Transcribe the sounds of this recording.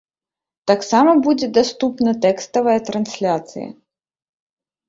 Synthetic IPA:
t̪aksamɐbud͡zʲɛd̪ast̪upnɐt̪ɛkst̪ɐvɐjɐt̪ɾansʲlʲat̪sɨ̰jɐ̰

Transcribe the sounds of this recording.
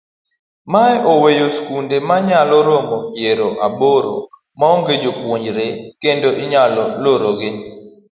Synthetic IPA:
maɛʔɔwejoskundemaɲalɔɾomopjeɾoʔaboɾo̰ | maoŋɡed͡ʒopwoɲd͡ʒɾekendoʔɪɲalɔloɾoɡɪ

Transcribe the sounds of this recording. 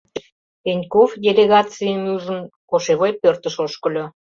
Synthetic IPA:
enʲkofdʲelʲeɣɑt͡siənuʒə̆nkoʃeβojpørt̪ə̆ʃoʃkə̆lʲo

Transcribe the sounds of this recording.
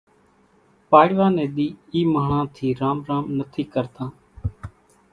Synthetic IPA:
paːɽʋãːnẽːɗ̪iːiːməɦɳãːt̪ʰiːɾaːmɾãːmnət̪ʰiːkəɾt̪ãː

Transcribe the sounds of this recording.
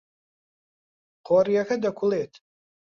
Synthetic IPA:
qʰarijaxadakʷʰʊletʼʰ

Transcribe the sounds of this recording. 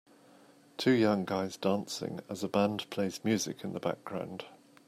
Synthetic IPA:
tʰʉːjʌ̃ŋɡaɪzdɑ̃ˑnsɪ̰̃ŋəzəbãndpʰl̥eɪzmjʉːzɪ̰kʰɪ̃nðəba̰k̚ɡ̥ɹã̰ʊ̃nd̥

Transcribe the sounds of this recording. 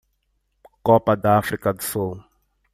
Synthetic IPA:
kɔpad̪afrikadso

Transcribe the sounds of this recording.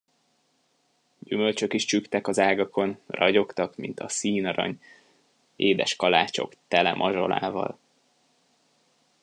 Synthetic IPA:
ɟymø̞lt͡ʃø̞kiʃt͡ʃykt̪ɛkɒzaːɡɒko̞nrɒɟo̞kt̪ɒkmint̪ɒ̰siːnɒɾɒ̰ɲ | eːd̪ɛʃkɒlaːt͡ʃo̞̰kt̪ɛlɛmʔɒʒo̞̰la̰ːvɒ̰l

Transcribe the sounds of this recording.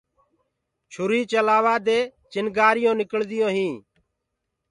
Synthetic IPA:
t͡ʃʰʊɾiːt͡ʃəlaːʋaːd̪eːt͡ʃɪnɡaːɾɪjõːnɪkəɭd̪ɪjõːɦĩː

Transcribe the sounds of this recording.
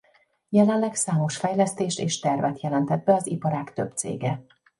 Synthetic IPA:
jɛlɛnlɛksaːmo̞ʃfɛjlɛst̪eːʃt̪eːʃt̪ɛrvɛt̪jɛlɛnt̪ɛd̪̚bɛɒzipɒɾaːkt̪ø̞̰bt̪sḛːɡɛ

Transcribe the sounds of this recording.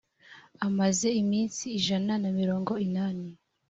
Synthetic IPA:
amaze̞imiːnsiːʒananamiɾo̞ːŋɡo̞inaːni

